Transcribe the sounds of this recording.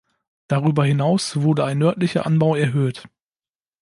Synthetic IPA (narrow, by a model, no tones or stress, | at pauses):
d̥aʁyːbɐhɪnaʊsv̥ʊɐdəaɪnːœɐtlɪçɐʔanbaʊɛɐɦøːt